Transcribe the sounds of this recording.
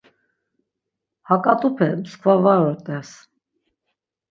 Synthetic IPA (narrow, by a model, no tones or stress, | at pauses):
hɑkʼɑt̪upʰɛməskʰvavɑɾɔɾt̪ʼɛs